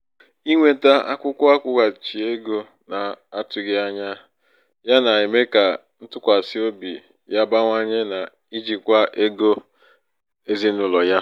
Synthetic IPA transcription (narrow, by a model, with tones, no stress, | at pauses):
i˦ŋʷe˨ta˦a̰˦kʷʊ˦kʷʊ˦a˦kʷʊ˦ɡa˨t͡ʃi˨e˦ɡo˦ | na˨a˦tʊ˨ɡɪ˦a˦ɲa˦ | ja˦na˨ɪ˨me˦ka˨ | n̩˦tʊ˦kʷa˨sɪ˦o˦bḭ˨ | ja˦ba˦ŋʷa˦ɲe˦na˨ | i˦d͡ʒi˨kʷa˦ʔe˦ɡo˦ | e˦zi˦n̩˦ʊ˨lɔ˨ja˦